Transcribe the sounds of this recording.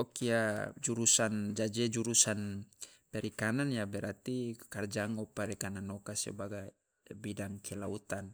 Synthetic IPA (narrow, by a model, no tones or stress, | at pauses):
ɔkiad͡ʒuɾusand͡ʒad͡ʒɛd͡ʒuɾusanpɛɾikananjabɛɾat̪ikard͡ʒaŋɔpaɾikananɔkasɛ̰baɡa | bidaŋkʰɛlaut̪an